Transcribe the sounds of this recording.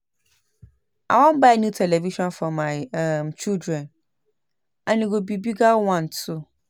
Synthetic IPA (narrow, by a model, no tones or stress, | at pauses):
a̰wɔ̃mbanũtʰɛleviʃɔ̃nfɔ̃mːãɪmt͡ɕʰildɾɛ̃n | anĩɡobibiɡawãntʊ